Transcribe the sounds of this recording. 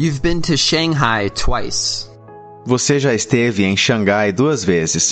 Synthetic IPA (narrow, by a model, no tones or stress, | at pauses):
jʉvbɪ̃ntʰɨʃɛ̃ŋɦaɪtʰwaɪs | voseʒaɪst̪evɪẽj̃ʃɐ̃ŋɡajd̪uɐzvezɪs